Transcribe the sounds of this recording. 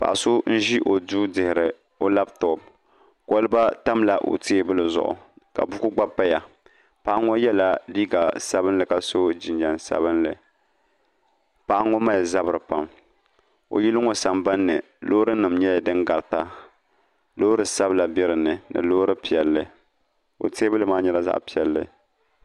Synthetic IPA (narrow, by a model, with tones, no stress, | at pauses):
pa̰˨ʔa˨so˦n̩˦ʒi˦ʔo˨duː˦dɪ˨hɪ˨ɾɨ˨ | o˦la˦btɔ˨b̚ | ko˦lɨ˦ba˦ta˦mla˨ʔo̰˨ti˦e˦bɨ˦lɨ˨zʊ̰˦˨ʔʊ̰˨ka̰˨bu˦ku˦ɡ͡ba˦pːa˦ja˨ | pa˦ʔa˦ŋɔ˦jɛ˦la˨li˦ɡa˨sa˦bɨ˦nlɨ˨ka˨so˦d͡ʒi˨nd͡ʒa˨nsa̰˦bɨ˦nlɨ˨ | pa˦ʔa˦ŋo˦ma˦jza˦bɨ˨ɾɨ˨pa˨m | o̰˨ji˦lɨ˦ŋo˦sa˨mba˦nːɨ̰˨ | lo˦ɾɨ˦nɨ˨mɲɛ˦a˨dɨ˦ŋɡa˨ɾɨ˨ta˨ | loː˦ɾɨ˨sa˦bla˨bɛ˦ɾɨ˨nɨ˨nɨ̰˨lo˦ɾɨ˦pi˨ɛ˨lːɨ˨ | o̰˨te˦bɨ˦lɨ˨maː˦ɲɛ˦la˦za̰˦ʔpi˨ɛ˨lːɨ̰˨